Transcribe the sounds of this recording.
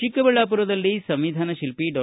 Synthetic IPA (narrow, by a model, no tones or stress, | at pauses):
ikːɐbɐɭːaːpuɾɐd̪ɐlːisɐmʋid̪ʱaːnɐʃilpiɖɐ